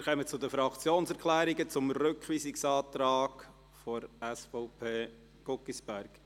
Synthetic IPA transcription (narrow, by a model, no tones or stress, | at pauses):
ɾχɛmət͡sʊd̪əfɾɑkt͡sjoːnsɛɾkʰlæːɾiɡət͡sʊmɾøkχʋiːsɪksɑːt̪ɾɑːɡ | fɔɾæsfɔʊpʰeː | ɡ̥ɔkːisbæɾɡ̥